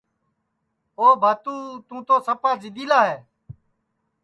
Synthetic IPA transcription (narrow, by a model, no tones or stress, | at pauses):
oːbʱaːt̪ũːt̪ũːt̪oːsəpaːd͡ʒɪd̪iːlaːɦeː